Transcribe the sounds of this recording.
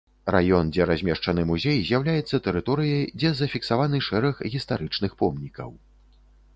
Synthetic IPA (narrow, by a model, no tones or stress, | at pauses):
rajɔnd͡zʲɛɾazʲmʲɛʂt͡ʂɐnɨmuzʲejzʲjawlʲajɛt̪sːɐt̪ɛɾɨt̪ɔɾɨjɐd͡zʲɛzɐfʲiksavanɨʂɛɾɐxɣʲist̪aɾɨt͡ʂnɨxpɔmnʲikɐ̰w